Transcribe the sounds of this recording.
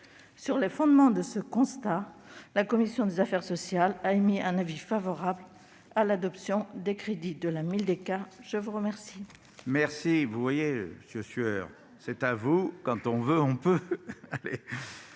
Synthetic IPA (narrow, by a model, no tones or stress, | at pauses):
syʁlefɔ̃d̪mɑ̃d̪əsəkɔ̃st̪alakɔmisjɔ̃d̪ezafɛʁsɔsjalaemiɛ̃navifavɔʁabl | alad̪ɔpsjɔ̃d̪ekχed̪id̪əlamild̪ekaʒ̥əvuʁəmɛʁsi | mɛʁsivuvwajeməsjøsɥœʁ | sɛt̪avukɑ̃t̪ɔ̃vøɔ̃pøale